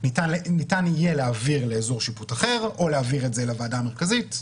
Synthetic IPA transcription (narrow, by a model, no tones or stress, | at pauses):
nitanlnitanijeleaviʁleːzo̞ʁʃiputaχe̞ʁo̞leaviʁetzelavaːdame̞ʁkazit